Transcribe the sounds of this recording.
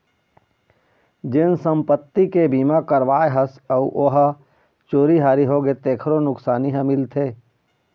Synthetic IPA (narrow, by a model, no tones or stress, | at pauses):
d͡ʒɪnsə̃mpət̪ːikebiːmakəɾʋaːeɦəsəuʔoɦ | t͡ʃoːɾiɦaːɾiɦoɡet̪eːkʰɾonʊksaːniɦə̃mɪlt̪ʰeː